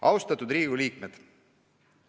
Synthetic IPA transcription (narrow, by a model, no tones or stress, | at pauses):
ʔɑwst̪ɑt̪ːˑud̪ɾiːɡ̥uliːk̚med̪̥